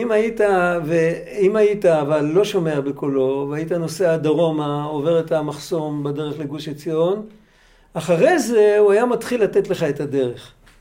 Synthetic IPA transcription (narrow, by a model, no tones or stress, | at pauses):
imait̪ave | imaitaːvalːo̞ʃo̞me̞abekolo̞veajitano̞se̞ad̪aʁo̞mao̞ve̞ʁet̪amaχso̞mbede̞ʁeχleɡuʃet͡sio̞n | aχaʁe̞ze̞uajamat̪χilːat̪etle̞χaet̪ade̞ʁeχ